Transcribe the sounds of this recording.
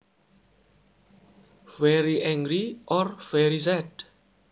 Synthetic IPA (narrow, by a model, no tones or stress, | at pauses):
vɛɹiʔɛ̃ŋɡɹiʔɔɹvɛɹizɛd